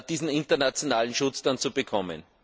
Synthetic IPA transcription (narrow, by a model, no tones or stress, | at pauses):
d̥iːzn̩ɪntɐnat͡sjonaːlən̩ʃʊt͡sd̥ant͡subəkʰɔmə̰n